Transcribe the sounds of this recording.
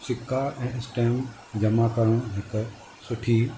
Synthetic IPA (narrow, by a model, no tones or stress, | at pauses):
sɪkːaʔɛ̃ːɪsʈeːm | d͡ʑɐmakɐɾəɽ̃ɦɪk | sʊʈʰiː